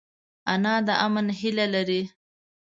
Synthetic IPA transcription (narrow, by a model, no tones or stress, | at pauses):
anɑd̪əʔamənɦilalaɾi